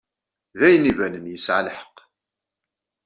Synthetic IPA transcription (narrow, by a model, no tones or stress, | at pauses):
ðæjənːivænənjəsʕaləħə̥q